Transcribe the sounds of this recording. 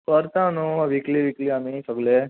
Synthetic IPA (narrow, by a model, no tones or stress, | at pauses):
kɐɾt̪aːnũʋikliʋikliamisɔɡle